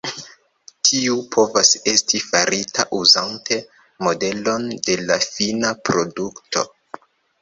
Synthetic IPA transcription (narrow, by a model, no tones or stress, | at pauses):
tʰiupʰo̞vase̞stifaɾitʰa̰ʔuzante̞ | mo̞de̞lo̞nde̞lafinapɾo̞duktʰo̞̰